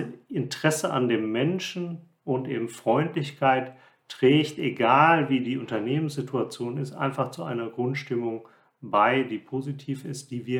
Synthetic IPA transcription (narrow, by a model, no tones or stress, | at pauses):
ɪntʁ̥ɛsəʔa̰ndeːmːɛnʃn̩ | ʔʊntʔeːbm̩fʁ̥ɔʏntlɪçkʰaɪt | tʁ̥ɛːçteɡaːlviːdiːʔʊntɐneːmənsz̥ɪtʰuat͡sjoːnɪstʔa̰ɪnfaχt͡suʔa̰ɪnɐɡʁʊntʃtɪmʊŋ | baɪdiːpʰozitʰiːfɪst̚d̥iːviːɐ